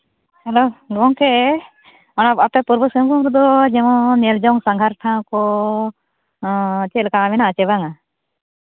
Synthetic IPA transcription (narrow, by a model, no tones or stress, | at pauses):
hɛloɡɔŋkɛ | ɔnaapɛpuɾbɔsəmkumɾud̪ɔd͡ʒɛmɔ̃nɛld͡ʒawŋsaŋɡʱaɾʈʰãkɔ | t͡ʃɛlkaːmɛnat͡ʃɛbaŋa